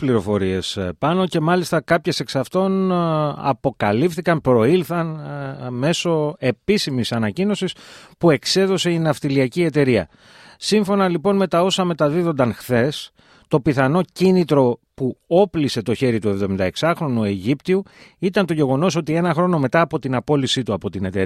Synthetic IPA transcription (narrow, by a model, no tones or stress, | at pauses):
pliɾo̞fo̞ɾie̞spɐno̞ce̞mɐlist̪ɐkɐpçe̞se̞ksɐft̪o̞nɐ̰po̞kɐlifθikɐnpɾo̞ilθɐnme̞so̞e̞pisimisɐnɐcino̞sispue̞kse̞ðo̞se̞inɐft̪iliɐcie̞t̪e̞ɾiɐ̰ | siɱfo̞nɐlipo̞nme̞t̪ɐo̞sɐme̞t̪ɐðiðo̞nd̪ɐnxθe̞s | t̪o̞piθɐno̞cinit̪ɾo̞puo̞plise̞t̪o̞çe̞ɾit̪ue̞vðo̞mind̪ɐe̞ksɐxɾo̞nue̞ʝipt̪iuit̪ɐnt̪o̞ʝe̞ɣo̞no̞so̞t̪ie̞nɐxɾo̞no̞me̞t̪ɐːpo̞t̪inɐpo̞lisit̪uɐpo̞t̪ine̞t̪e